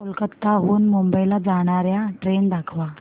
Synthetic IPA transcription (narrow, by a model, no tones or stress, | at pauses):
əlkət̪ːaɦonmumbəilad͡zaɽ̃aɾjaʈɾeɳd̪akʰʋa